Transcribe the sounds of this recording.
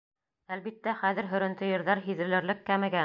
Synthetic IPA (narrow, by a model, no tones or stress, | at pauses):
ælβit̪ːæχæðɘ̆ɾɦɵ̆ɾɘ̆nt̪ɘ̆jɤ̆ɾðɑɾɦiðɘ̆lɘ̆ɾlɘkːæmɘ̆ɡæ